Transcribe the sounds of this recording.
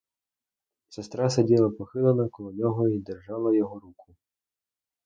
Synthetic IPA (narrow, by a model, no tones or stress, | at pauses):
sɛst̪ɾasɐdʲilˠɐpɔxɪlˠɐnɐkɔlˠɔnʲɔɦɔid̪ɛrʒɑlˠɐjɔɦɔɾukʰʊ